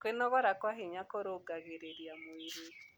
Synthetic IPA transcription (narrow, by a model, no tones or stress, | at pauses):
kwenɔɣɔɾakwaɦeɲakoɾoɡaɣeɾeɾiamoiɾi